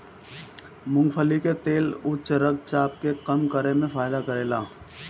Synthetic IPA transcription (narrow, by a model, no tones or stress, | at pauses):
mʊ̃ŋɡfʰəliket̪eːlʊt͡ʃɾək̚t͡ʃaːpkeqɐmkəɾemẽfaːɪd̪akəɾeːlaː